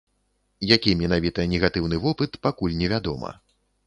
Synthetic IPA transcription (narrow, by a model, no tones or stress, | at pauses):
jakʲimʲɛnavʲit̪ɐnʲɛɣat̪ɨwnɨvɔpɨt̪pakulʲnʲɛvʲad̪ɔmɐ̰